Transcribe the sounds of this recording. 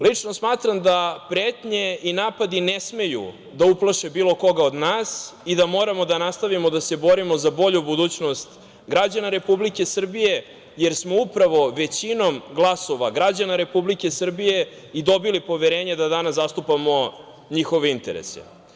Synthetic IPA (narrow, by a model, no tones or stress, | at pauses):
lit͡ʂnosmaːt̪ɾamd̪apɾeːt̪ɲe̞inaːpad̪inesme̞jṵ | d̪auplˠaʃebiːlˠo̞ko̞ɡaod̪naːsid̪amo̞ːɾamo̞d̪anast̪aʋimod̪ase̞bo̞ɾimo̞zabo̞ʎubud̪uːt͡ɕno̞st̪ | ɡɾad͡ʑanaɾe̞publike̞sr̩bije̞ | jeɾsmo̞upɾaʋo̞ʋe̞t͡ɕino̞mɡlˠaso̞ʋaɡɾad͡ʑanaɾe̞publike̞sr̩bije̞ | id̪o̞bilipo̞ʋeɾe̞ːɲed̪ad̪anaszast̪upamo̞ | ɲixo̞ʋeint̪eɾḛsḛ